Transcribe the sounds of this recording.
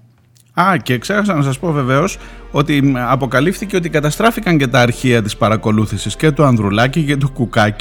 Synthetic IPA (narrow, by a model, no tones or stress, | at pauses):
ɐceːkse̞xɐs̬ɐnɐs̬ɐspo̞ve̞ve̞o̞so̞t̪iɐpo̞kɐlifθiceo̞t̪ikɐt̪ɐst̪ɾɐfikɐɲce̞t̪ɐːɾçiɐt̪ispɐɾɐko̞luθisisce̞t̪uɐnðɾulɐcicet̪ukukɐci̥